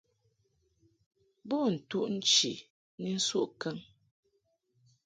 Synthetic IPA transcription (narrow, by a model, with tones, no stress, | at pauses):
bɔ˦n̩˨tu˦ʔn̩˦t͡ʃi˨ | ni˦n̩˦su˦ʔkɛ˦ŋ